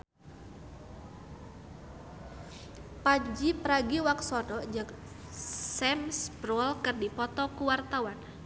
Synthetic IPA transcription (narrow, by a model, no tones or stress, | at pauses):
pad͡ʒipəɾaɡiwaksɔdɔd͡ʒak | sɛmsbɾɔlkɨrdipɔt̪ɔkuwart̪awan